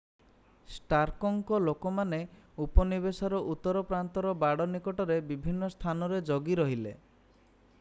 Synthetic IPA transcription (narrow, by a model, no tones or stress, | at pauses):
sʈaɾkɔŋkɔlokɔmane | upɔnibesɔɾɔʔut̪ːɔɾɔpɾant̪ɔɾɔbaɽɔnikɔʈɔɾebibʱinːɔst̪ʰanɔɾed͡ʒoɡiɾɔɦilḛ